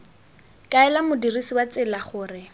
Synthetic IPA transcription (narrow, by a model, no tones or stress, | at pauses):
kʼaɛlamʊdirisiwat͡sɪlaχʊːrɪ